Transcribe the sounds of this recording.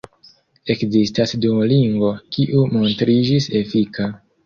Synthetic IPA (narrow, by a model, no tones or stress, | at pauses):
e̞kzistasduliŋɡvo̞kiʔumo̞ntɾid͡ʒise̞fika